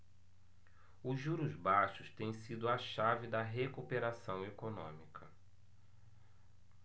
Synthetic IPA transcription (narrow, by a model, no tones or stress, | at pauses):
ʊʒuɾʊzbaʃʊst̪ẽj̃sid̪ʊɐʃavɪd̪ɐɦekupeɾasɐ̃w̃ekonõ̰mikʰɐ